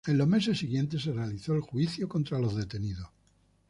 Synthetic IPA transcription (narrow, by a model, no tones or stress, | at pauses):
e̞nlome̞se̞sːiɣ̞je̞nt̪e̞s̬e̞realiθo̞elxwiθjoko̞nt̪ɾalo̞zðe̞t̪e̞niðo